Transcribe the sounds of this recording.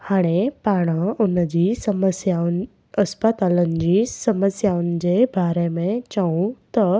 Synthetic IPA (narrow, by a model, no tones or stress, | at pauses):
haɽ̃epaɽ̃əunəd͡ʑisəməsjan | əspət̪alənd͡ʑisəməsjaund͡ʑebʱaɾemẽt͡ɕaũt̪ɔ